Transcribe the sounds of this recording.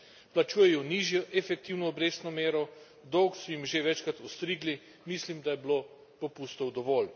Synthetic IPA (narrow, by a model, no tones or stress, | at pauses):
plat͡ʃuːjɛjɔniːʒjɔʔɛfɛkt̪iwnɔːbɾeːsnɔmeːɾɔ | d̪ɔwksɔjimʒeʋɛt͡ʃkɾat̪ust̪ɾiːɡli | mislimd̪ajɛbloː | popuːst̪ɔwd̪ɔʋɔl